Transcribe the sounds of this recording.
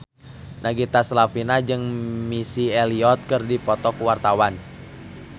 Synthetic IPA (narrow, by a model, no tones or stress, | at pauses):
naɡit̪aslafinad͡ʒɨŋmisiɛliɔt̪̚kɨrdipɔt̪ɔkuwart̪awan